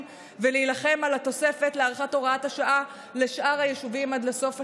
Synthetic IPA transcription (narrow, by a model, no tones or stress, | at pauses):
veliilaχe̞malat̪o̞se̞fe̞tleaʁχato̞ʁaat̪haʃaʔa | le̞ʃʔaʁhajeʃuvimad̪leso̞fa